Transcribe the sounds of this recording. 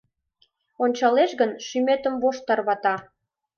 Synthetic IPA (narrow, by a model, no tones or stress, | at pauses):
onʲt͡ɕɑleʃɣənʃymet̪əmvoʃt̪ɑrβɑt̪ɑ